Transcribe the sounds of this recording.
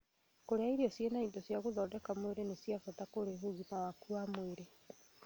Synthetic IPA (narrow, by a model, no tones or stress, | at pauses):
koɾeaiɾiɔsjenaindɔsjaɣoðɔdɛkamoweɾenesiafatakoɾeɦuɣimawakuamweɾe